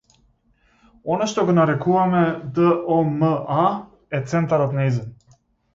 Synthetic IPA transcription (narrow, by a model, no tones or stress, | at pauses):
onaʃt̪oɡonaɾɛkuvamɛd̪əʔoməʔa | ɛt̪sɛnt̪aɾot̪naizən